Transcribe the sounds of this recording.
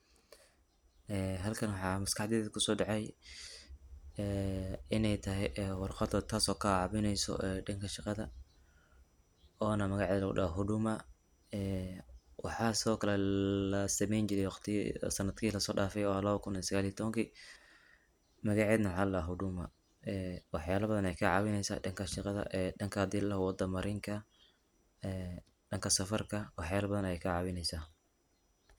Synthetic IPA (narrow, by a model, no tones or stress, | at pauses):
ʔɛːɦɐlkʰɐnwɑħɑːmɐskɑħd̪ɛːɛkʰʊsɔːɖɑʕɛj | ɛːɪnɛjt̪ʰɐɦɛjʔɛwɑrqɑd̪ɔt̪ʰaːsɔːkʰaʕɑβɪnɛjsɔ̰ʔɛɖɪŋkʰɐʃɑqɑðɐ | ɔːnɐmɐɣɑʕɛːlɐɣʊ̰ɗaɦʊɖʊmɐ | ɛːwɑħɑːsɪɔːkʰɐlɛlɐsɐmɛjnt͡ʃɪɾɛjwɑqt̪ʰḭsɐnːɐd̪̥kʰiːlɐsɔːɖaːfɛjɔɐlɐβɐkʰʊnisɐɣaːliɐt̪ʰɔβɐŋkʰiː | mɐɣɑʕɛːðnɐwħɑlːaɦʊɖʊmɐ̰ | ɛːwɑħjaːlɐbɐðɐnɛjkʰɐʕɑːwɪnɛjsa̰ːɖɐŋkʰɐʃɪqɑðɐ̰ʔɛɖɐŋkʰɐhɐd̪iːllɐhwɑd̪ɐmɐɾɪŋkʰɐ | ɛː | ɖɐŋkʰɐsɐfɐrkʰɐwɑħjaːlɐbɐðɐnɐjɛjkʰɐʕɑːwɪnɛjsaː